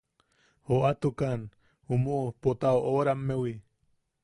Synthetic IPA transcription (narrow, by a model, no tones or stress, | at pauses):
hoʔat̪ukan | humuʔpot̪aoʔoɾamːewi